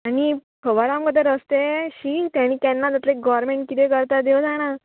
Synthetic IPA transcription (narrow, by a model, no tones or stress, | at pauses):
aɽ̃ipʰəʋaɾamkət̪əɾəst̪eɕiːt̪jãɽ̃ĩkɛ̃nːad͡z̪at̪leɡɔɾmeɳʈ̚kit̪ekəɾt̪aɾd̪ewd͡zaɽ̃a